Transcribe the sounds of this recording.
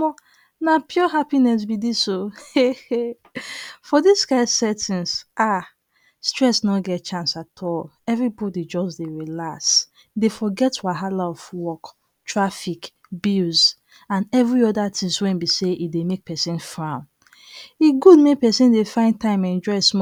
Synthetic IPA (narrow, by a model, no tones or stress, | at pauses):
ɔ | napʰjɔɦapinɛs̬bidisoe | fɔdiskaɪsɛtĩnsʔa | stɹɛsnɔɡɛt̚t͡ʃãnsatʰɔl | ɛvɹibɔdid͡ʒɔsdeɹilas | defɔɡɛtwaɦalaɔfwɔk | tʰɹafik | biz | ãnɛvɹiɔdatʰĩŋswɛ̃nbiseidemek̚pʰɛsĩnfɹãʊ̃n | iɡudmek̚pɛsĩndefãɪ̃ntãɪ̃mɛ̃nd͡ʒɔɪsmɔ